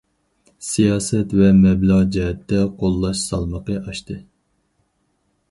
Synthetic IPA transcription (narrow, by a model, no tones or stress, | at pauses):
sijɑːsɛt̪vɛmɛblɑʁd͡ʒɛɦɛt̪ːɛqʰolˠːɑʃsɑlˠməqəʔɑʃt̪ɨ